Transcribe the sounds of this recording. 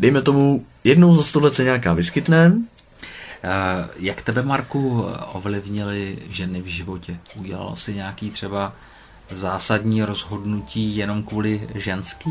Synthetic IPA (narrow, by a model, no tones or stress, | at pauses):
dɛjmɛt̪o̞mu | jɛdno̞wzast̪oɦlɛt͡sɛɲakaːvɪskɪt̪nɛ | jakt̪ɛbɛmaɾkuʔovlɪvɲɪlɪʒɛnɪvʒɪvo̞cɛʔuɟɛla̰l̰sɪɲɛakiːt̪r̝̥ɛba | zaːsadɲiːɾo̞zɦo̞dnuciːjɛno̞mkvuːlɪʒɛnskiː